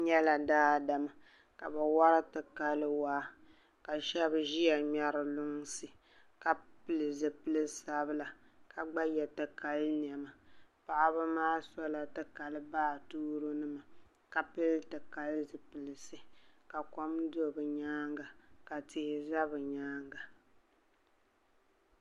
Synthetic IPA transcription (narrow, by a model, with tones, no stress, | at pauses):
ɲɛ˦la˨daː˦˨da˨ma˨ | ka˨ba˨wa˦ɾɨ˦tɨ˨ka˦lɨ˦waː˦ | ka˨ʃɛ˦bʒi˦ɛ˨ɲɛ˨ɾɨ˨lʊ˦ŋ˦sɨ˨ | ka˨pɨ˦lɨ˨zɨ˨pɨ˦lɨ˦sa˦bɨ˦la˨ka˨ɡ͡ba˦jɛ˨tɨ˨ka˨lɨ˦n˨ɛ˨ma˨pa˨ʔa˦bɨ˦maː˦sɔ˦la˨tɨ˨ka˨lɨ˦baː˦˨tuː˦ɾo˦nɨ˦ma˨ | ka˨pɨ˦ltɨ˨ka˦lɨ˦zɨ˨pɨ˨lɨ˨sɨ˨ka˨kɔ˦mdo˦bɨ˨ɲaː˦ŋɡa˨ka˨tɪ˦hɪ˦za˦bɨ˨ɲaː˦ŋɡa˨